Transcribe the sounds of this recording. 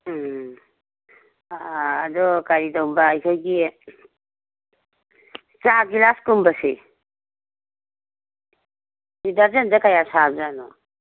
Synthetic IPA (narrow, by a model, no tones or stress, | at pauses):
aːdɔkaɾidawmbaːjkʰɔjɡi | t͡ʃaɡilaskumbasḛ | idaɾd͡ʒendakajasʰabzanɔ